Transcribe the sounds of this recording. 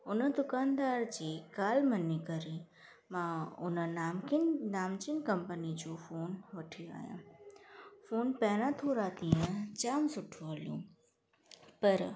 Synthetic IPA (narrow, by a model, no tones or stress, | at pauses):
ʊnəd̪ʊkaːnd̪aːɾd͡ʑiːkaːlmə̃nikəɾi | mãʊnənːmnaːmt͡ɕɪnkɐ̃mpənid͡ʑoːfoːnʋɐʈʰijoa̰ːjã̰ː | foːnpɛːñãt̪ʰoːɾat̪ĩːə̃t͡ɕaːmsʊʈʰũɦɐlijṵ̃ː | pɐɾ